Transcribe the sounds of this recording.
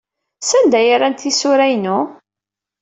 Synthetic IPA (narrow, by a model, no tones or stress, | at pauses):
sænd̪æjaɾænt̪isʊɾæjnu